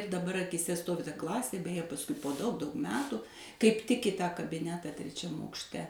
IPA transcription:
dɐˈbɐr ɐkʲiːˈsʲɛ ˈstoːʋʲɪ tɐ ˈklˠɑːsʲeː bʲɛjɛ pɐsˈkʊɪ poː dɐʊk dɐʊk ˈmʲæːtʊ kɐɪp tʲɪk ɪ ˈtɑː kɐbʲɪˈnʲæːtɑː tʲrʲɛˈt͡ʃʲɛm ɐʊkʃʲˈtʲɛ

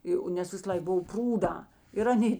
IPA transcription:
ˈjoː nʲɛs ʋʲɪsɐˈlˠɐɪk ˈbʊw ˈpruːdɑː ɪr ɐˈnʲeː

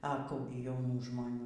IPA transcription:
ɐ ˈkuː ɡʲɪ jɛʊˈnuː ʒmoːˈnʲuː

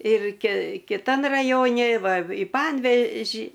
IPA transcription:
ɪr kʲɪ kʲɪˈtɐn rɐˈjoːnʲɪ ˈʋɐ ɪ ˈpɐnʲʋʲɛʒʲɪ

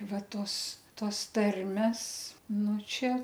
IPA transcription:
ˈʋɐ ˈtoːs ˈtoːs ˈtɐrʲmʲɛs ˈnʊ ˈt͡ʃʲɛ

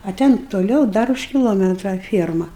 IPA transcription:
ɐ ˈtʲɛn toːˈlʲɛʊ ˈdɐr ʊʃ kʲɪlˠoːˈmʲæːtrɐ ˈfʲiɛrmɐ

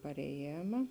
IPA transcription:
pɐrʲɛˈjeːmɐ

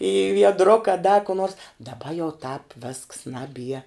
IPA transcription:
iː ʋʲiɛdˈrʊkɐ dɐ kʊ noːrs dɐˈbɐ jɛʊ tɑːp ʋʲeːsks ˈnɑːˌbʲiɛ

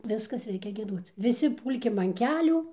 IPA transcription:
ˈʋʲɪskɐs ˈrʲɛɪkʲɛ ɡʲiɛˈduɔt͡s ʋʲɪˈsʲɪ ˈpuːlʲkʲɪm ɐn ˈkʲæːlʲuː

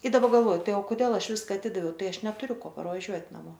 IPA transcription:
ɪ dɐˈbɐ ɡɐlˠˈʋoːjʊ ˈtɐɪ oː koːˈdʲeːlˠ ˈɐʃ ˈʋʲɪskɐ ɐˈtʲɪdɐʋʲɛʊ ˈtɐɪ ˈɐʃ nʲɛtʊˈrʲʊ ˈkoː pɐrʋɐˈʒʲuɔtʲ nɐˈmoː

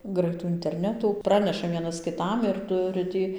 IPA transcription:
ˈɡrɐɪtuː ɪnʲtʲɛrʲˈnʲæːtuː ˈprɑːnʲɛʃɐ ˈʋʲiɛnɐs kʲɪˈtɐm ɪr ˈtʊrʲɪ ˈtʲiː

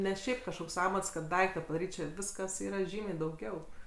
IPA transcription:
ˈnʲɛ ˈʃʲɛɪp kɐʃˈkoːks ˈɑːmɐts kɐt ˈdɐɪktɐ pɐdɐˈrʲiːt ˈt͡ʃʲɛ ˈʋʲɪskɐs ˈiːrɐ ˈʒʲiːmʲɛɪ dɐʊˈɡʲɛʊ

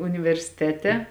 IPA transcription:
ʊnʲɪʋʲɛrʲsʲɪˈtʲæːtʲɛ

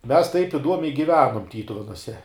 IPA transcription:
ˈmʲɛs tɐɪp ɪˈduɔmʲɛɪ ɡʲɪˈʋʲæːnʊm ˈtʲiːtʊʋʲɛnuɔsʲɛ

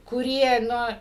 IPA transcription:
kʊˈrʲiɛ ˈnʊ

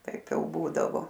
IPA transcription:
ˈtɐɪp ˈjɛʊ ˈbuːdɐʋoː

